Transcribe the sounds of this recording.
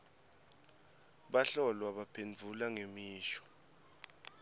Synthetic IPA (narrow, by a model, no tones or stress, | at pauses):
ɓaɬɔlwaɓapʰend͡vʱulaŋemiːʃɔ̥